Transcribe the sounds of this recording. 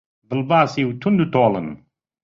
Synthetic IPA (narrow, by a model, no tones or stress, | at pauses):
bɨlbaːsiwt̪ʰund̪ut̪oːlə̰n